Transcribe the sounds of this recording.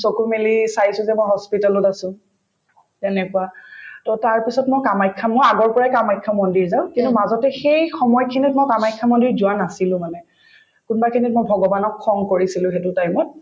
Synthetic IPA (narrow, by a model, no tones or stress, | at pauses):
sokumilisaisʊ̃zɛmojɦɔspitalʊtasʊ̃ | tɛnɛkʊatɔtaɹpisɔtmojkamajkʰːamojaɡɔɹpɔɹajkamajkʰːamɔndiɹzaʊ̃kintumazɔtɛxejxɔmɔjɔkʰinit̚mojkamajkʰːamɔndiɹzʊanasilʊ̃manɛ | kunbakʰinitmojbʱɔɡɔbanɔkʰːɔŋkoɹisilʊ̃xɛtʊtajmɔt̚